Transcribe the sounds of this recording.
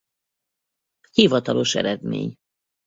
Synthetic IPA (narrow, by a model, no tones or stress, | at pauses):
hivɒt̪ɒlo̞ʃɛ̰ɾɛd̪mḛːɲ